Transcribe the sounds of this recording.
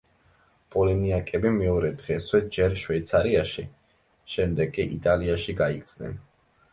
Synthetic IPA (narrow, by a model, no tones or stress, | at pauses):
pʼɔliniakʼɛbimɛɔɾɛd̪ʁɛswɛd͡ʒɛɾʃwɛt̪sʰaɾiaʃi | ʃɛmd̪ɛɡʼiʔḭt̪ʼaliaʃiɡaikt̪sʰnɛ̰n